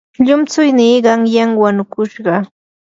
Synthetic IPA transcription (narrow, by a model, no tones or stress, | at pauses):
ʎʊmt͡sʊjniːɢɑŋjaŋwanʊkʊʃɢɑ